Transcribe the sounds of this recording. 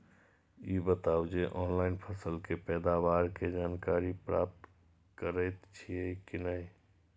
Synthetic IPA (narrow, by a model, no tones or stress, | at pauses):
ibət̪awd͡ʒeʔɔːnlaɪnpʰəsəlkepɛːd̪awaːɾked͡ʒaːnkaːɾipɾa̰ːp̚t̪ | kəɾəjt̪t͡ʃʰiekinəĩ